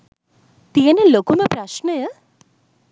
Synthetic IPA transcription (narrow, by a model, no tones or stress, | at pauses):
t̪ijɐneloːkumepɾaʃɳəjə